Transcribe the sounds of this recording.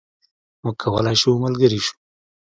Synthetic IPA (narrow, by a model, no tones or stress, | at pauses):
mukʰawə̰lajʃuməlɡəɾiʃu̥